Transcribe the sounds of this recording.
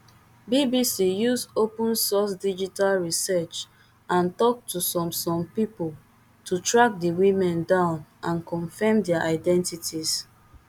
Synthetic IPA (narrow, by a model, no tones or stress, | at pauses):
bibisijusopũnsɔsdid͡ʒitalɹisɛt͡ʃ | ãntɔk̚tʰusɔ̃msɔ̃mpipol | tutɹak̚diwĩmɛ̃ndãʊ̃nʔãnkɔ̃nfɛmdɛaʔaɪdɛ̃ntitʰis